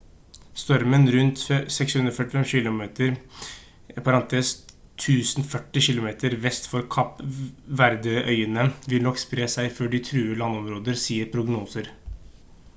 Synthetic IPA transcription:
st̪ɔɾmənɾʉnt̪sɛkshʉnd̪ɾɔfœʈɪfɛmɕɪlʊmeːt̪əɾ | pʰɑɾɑnt̪ʰeːs | t̪ʰːʉːsnfœʈːɪçɪlʊmeːt̪ʰəɾʋɛst̪fɔɾkʰɑpʋæɾd̪əʔœʏənəʋɪlnɔkspɾeːsæɪføːɖɪt̪ʰɾʉːəlɑnːɔmɾoːd̪əɾsiːəɾpʰɾʊɡnuːsəɾ

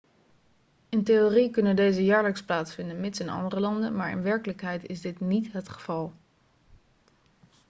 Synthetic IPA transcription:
ɪnteorikɵnəndejzəjaːɹləksplaːtsfɪndənmɪtsɪnɑ̰ndərəlɑndə̰nmaːɹɪ̰nʋɛɹkələkɦɛjtɪzdɪtnitɦətχə̥v̥ɑlˠ

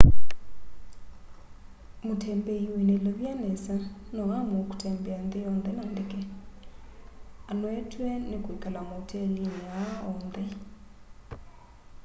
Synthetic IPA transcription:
mutʰembeiwineloβjanesanoɣamoku̥tʰembɛandijɔːnðenandeke | anwetwenekwikalamotʰeliɲaɔːnde

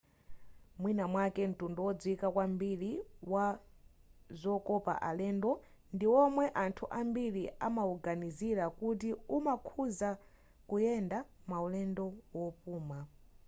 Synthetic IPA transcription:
mwinamwakɛn̩tundɔwɔd͡zwikakwambiɾiwa | zɔkɔpa̰ʔalɛːndɔ | ndiwɔmwɛʔantʰuʔambiɾiʔamauɡaniziɾakut̬iumakʰuza | kujɛndamaulɛndɔwɔpuːma

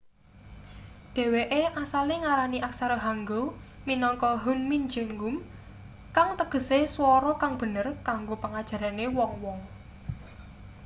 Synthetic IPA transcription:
d̪̥e̤weʔeʔasaleŋaɾaniʔaksaɾoɦaŋɡo | minɔŋkɔɦunmind͡ʒɛŋɡum | kaŋt̪əɡ̥ə̤seswɔɾɔkaŋb̥ə̤nərkaŋɡopaŋad̥ʒ̥ä̤ɾanewɔŋwɔŋ

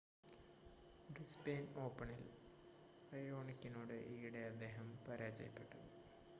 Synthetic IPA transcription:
rispeːno̞ːpːɐɳil | ɐjo̞ːɳikʲːinoːɽɨʔiːɽeɐd̪ːe̞ːɦɐmpɐɾaːd͡ʑɐ̰jɐpːe̞ʈːu

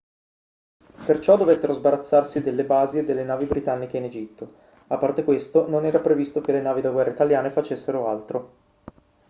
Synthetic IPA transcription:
pert͡ʃɔd̪ːovet̪ːeɾozbaɾat̪sːarsid̪elːebaːzied̪elːenaːvibɾit̪anːik̟eined͡ʒit̪ːo | apːart̪ekwest̪ononɛːɾapɾevist̪okelenaːvid̪aɡwɛrːait̪aljaːnefat͡ʃesːeɾoalt̪ɾo

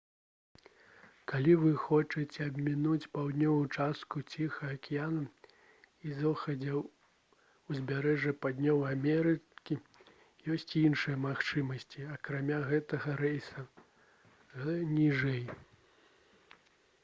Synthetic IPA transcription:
kalʲivɨxɔt͡ʂɐt͡sʲɛɐbʲmʲinut͡sʲpawd̪ʲnʲɔvut͡ʂast̪kut͡sʲixɐɐkʲijanɐ | izɔxɐd͡zʲɐ | wzʲbʲaɾɛʐɐpad̪ʲnʲɔwamʲɛɾɨkʲi | jɔsʲt͡sʲinʂɨjɐmaxt͡ʂɨmɐsʲt͡sʲiɐkɾamʲaɣɛt̪ɐɣɐɾɛjsɐ | nʲiʐɛj

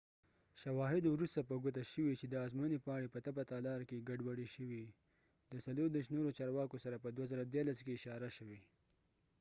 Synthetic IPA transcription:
ʃawɑɦɪd̪wɾust̪apəɡʊt̪aʃəwit͡ʃed̪əɑzmunipɑɽepət̪abat̪ɑlɑɾkeɡaɖwaɽiʃəwi | d̪əsaloɾd̪eʃnoɾot͡ʃɑɾwɑkosaɾapəd̪wazəɾad̪jɑɾlaskeɪʃɑɾaʃəwe

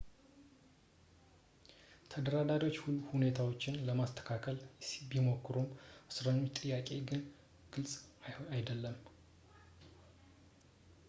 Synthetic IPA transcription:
t̪ʰəd̪əɾad̪aɾo̞t͡ʃːhulːuhune̞t̪ʰawo̞t͡ʃːɪnləmast̪ʰə̥kʰakʰəlsibimokːɨɾumʔɨsɾəɲːot͡ʃt̪ʼɨjːakʼe̞ɡɨn | ɡ̥ɨlsʼajd̪əlːəm

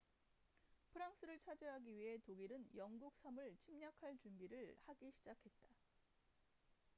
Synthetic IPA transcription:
pʰɯɾaŋs͈ʰɯɾɯɭt͡ɕʰad͡ʑeɦaɡiɥiɦe̞toɡiɾɯnjʌŋɡuk̚s͈ʰamɯɭt͡ɕʰimɲakʰaɭt͡ɕumbiɾɯɭhaɡiɕʰid͡ʑakʰe̞t̚t͈a

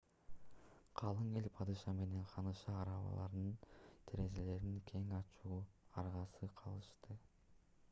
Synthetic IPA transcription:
qʰɑlˠɯŋelʲpʰɑd̪ɯʃɑme̞ne̞ɴqʰɑnɯʃɑːɾɑβɑ̰lˠɑ̰ɾd̪ɯnt̪ʰeɾe̞zele̞ɾiŋkʰe̞ŋɑt͡ʃuːɑɾʁɑsɯqʰɑlˠɯʃt̪ɯ

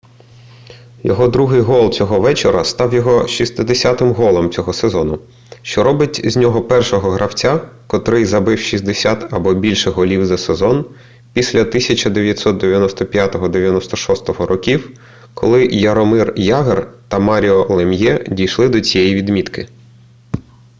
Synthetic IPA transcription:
jɔ̰ɦɔd̪ɾuɦɪjɦɔlˠt͡sʲɔɦɔʋɛt͡ʃeɾɐ̰st̪ɑwjɔɦɔʃist̪ɪd̪esʲat̪ɪmɦɔlˠɔmt͡sʲɔɦɔsezɔnʊ | ʃt͡ʃɔɾɔbɪtʲzʲnʲɔɦɔpɛrʃɔɦɔɦɾʔɐwt͡sʲakɔt̪ɾɪjzɐbɪwʃizd̪esʲat̪ɐbɔbʲilʲʃɛɦɔlʲiwzɐsezɔn | pʲisʲlʲɐt̪ɪsʲɐt͡ʃɐd̪eʋʲjɐt̪ʲsɔt̪̚d̪eʋʲjɐnɔst̪ɔpʲjat̪ɔɦɔd̪eʋʲjɐnɔst̪ɔʃɔst̪ɔɦɔɾɔkʲiw | kʰɔ̰lˠɪjɐɾɔmɪrjɑɦert̪ɐmɑɾʲiɔlˠemjɛdʲijʃlˠɪd̪ɔt͡sʲijɛjiʋʲid̪mʲit̪kɪ

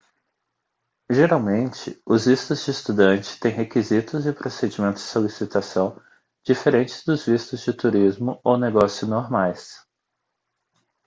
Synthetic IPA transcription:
ʒeɾawmẽnt͡ʃɪʊzvist̪ʊzd͡ʒɪːst̪ud̪ɐ̃nt͡ʃɪ̥t̪ẽj̃ɦekizit̪ʊzɪpɾosed͡ʒimẽnt̪ʊz̥d͡ʒɪsolisit̪asɐ̃w̃ | d͡ʒifeɾẽnt͡ʃɪ̥zd̪ʊzvist̪ʊzd͡ʒɪt̪uɾizmʊoneɡɔsjʊznoɾmajs

